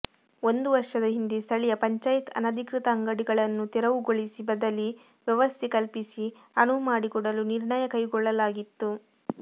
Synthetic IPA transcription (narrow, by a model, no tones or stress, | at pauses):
o̞nd̪uʋɐɾʂɐd̪ɐɦind̪est̪ʰɐɭijɐpɐɲt͡ʃaːjit̪ʰɐ̰nɐd̪ʱikɾit̪ɐːŋɡɐɽiɡɐɭɐnːut̪ɛɾɐʋuɡoɭisibɐd̪ɐli | ʋjɛʋɐst̪ʰekɐlpisi | ɐnumaːɽikɔɽɐluniɾɳɐjɐkɐjɡɔɭːɐlaːɡit̪ːu